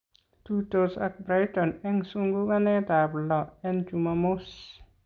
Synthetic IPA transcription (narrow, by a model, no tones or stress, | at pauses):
t̪utosa̰k̚bɾajtɔnɛŋsuŋɡukanɛtablɔɛnt͡ʃumamos